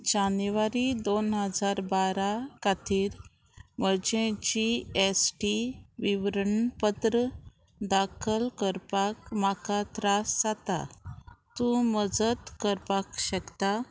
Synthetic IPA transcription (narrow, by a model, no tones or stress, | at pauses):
d͡ʑanʋaɾid̪onɦəd͡zaɾbaɾakat̪ʰiːɾ | məd͡ʑẽt͡ɕiesʈiʋiʋɾəɳpət̪ɾə | d̪akʰəlkəɾpakmakat̪ɾasd͡zat̪a̰t̪ũməd͡zət̪kəɾpakɕəkt̪a